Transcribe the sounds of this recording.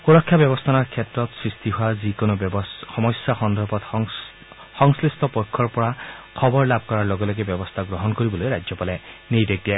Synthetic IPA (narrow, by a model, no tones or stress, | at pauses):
puɹɔkʰːjabjɔbɔst̪ʰanaɹkʰjɛtɹɔt̪sɹist̪iɦuazikonobxɔmɔjsjaxɔnd̪ʱɔɹbɔt̪ | xɔŋslist̪ɔpɔjkʰːɔɹpɔɹakʰɔbɔɹlab̚kɔɹaɹlɔɡɔlɔɡebjɔbɔst̪ʰaɡɹɔɦɔnkoɹibɔlojɾajd͡ʒzɔpalɛnejdek̚ia